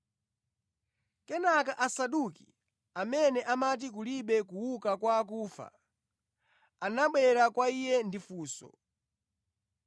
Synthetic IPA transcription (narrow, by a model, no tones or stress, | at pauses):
kɛnakaʔasaɗukḭ | amɛnɛʔamat̬ik̬uliɓɛkuwukakwak̬uːfa̰ | anaɓwɛɾakwaijɛndifuːsɔ̰